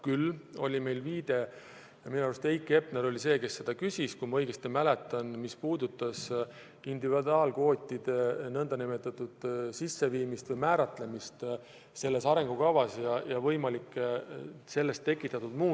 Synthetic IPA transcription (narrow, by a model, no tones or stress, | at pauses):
kylːo̞lʲime̞jlviːd̪̥e̞ | minuɑɾvust̪ejkːˑe̞pneɾo̞lʲise̞ːke̞sːe̞d̪̥ɑkysʲiskujmɑɤjɡ̥est̪imæle̞t̪ːˑɑnmispuːd̪ut̪ˑːɑs | ind̪ivid̪ɑːlko̞ːt̪ʲːˑid̪̥enɤnd̪ɑnimet̪ːˑɑt̪ːˑud̪̥sisːe̞viːmist̪vɤjmæːɾɑt̪le̞mist̪ | se̞lːe̞sɑɾe̞ŋɡ̥ukɑvɑsjɑjɑvɤ̞jmɑlikːˑ | se̞lːe̞st̪ːe̞kˑːit̪ːˑɑt̪ːud̪̥muː